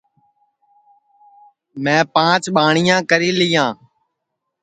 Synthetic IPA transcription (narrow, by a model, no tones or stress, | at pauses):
mɛ̃ːpãːt͡ʃɓaːɳɪjãːkəɾiːlɪjãː